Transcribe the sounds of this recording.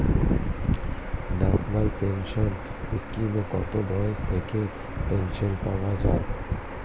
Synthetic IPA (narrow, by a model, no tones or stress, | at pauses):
nasnəlpẽnʃɔn | ɪskimokɔt̪obɔest̪ʰeke | pẽnʃənpaʋad͡ʒa̰ː